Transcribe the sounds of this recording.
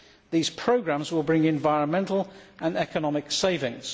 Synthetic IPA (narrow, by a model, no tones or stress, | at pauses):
ðiːz̥pʰɹ̥əʊɡɹãmzwɪlˠbɹɪ̃ŋɛ̃ɱvaɪɹə̃nmɛ̃ntʰˡəl̩ˠʔə̃nɛkənɒmɪkseɪvɪ̃ŋz̥